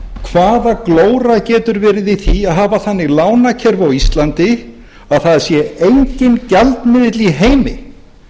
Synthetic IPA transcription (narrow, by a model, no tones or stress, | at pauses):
kʰvaːðakloːwɾacɛːt̪ʏɾvɛːɾɪðiθiaðɦaːvaθanːɪɣlaːwnacʰɛɾvawist̪lant̪ɪ | aðθaðsjɛejɲcɪncalt̪mɪðɪt̪liɦeːjmɪ